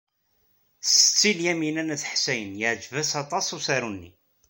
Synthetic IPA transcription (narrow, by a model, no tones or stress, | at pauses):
sə̥t͡sːiljæminænæθħsæjənjəʕd͡ʒvæsɑt̪ˤɑsusæɾunːḭ